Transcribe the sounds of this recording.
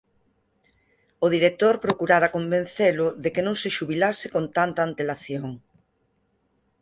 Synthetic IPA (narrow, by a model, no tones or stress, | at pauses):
ʊðiɾek̚t̪oɾpɾokuɾaɾakombẽn̟θelʊðekenõŋseʃuβilasekont̪ant̪aːnt̪elaθjoŋ